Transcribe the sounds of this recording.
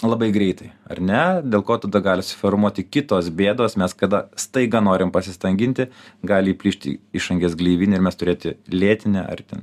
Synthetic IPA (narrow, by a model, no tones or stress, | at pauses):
lˠɐbɐɪɡɾʲɛɪt̪ɐɪɐ̰rnʲɛd̪ʲeːlˠkoːt̪ɐd̪ɐɡɑːlʲɪsʊ̥formuɔt̪ʲɪkʲɪt̪oːsbʲeːd̪oːsmʲɛskɐd̪ɐst̪ɐɪɡɐnoːɾʲɪmpɐsʲɪst̪ɐŋʲɡʲɪnʲt̪ʲɪɡɑːlʲiːpʲlʲiːʃʲt̪ʲɪ̰ɪʃɐŋʲɡʲeːsɡlʲiːʋʲiːnʲɪɾmʲɛst̪ʊɾʲeːt̪ʲɪlʲeːt̪ʲɪnʲɛʔɐ̰rt̪ʲɛ̰n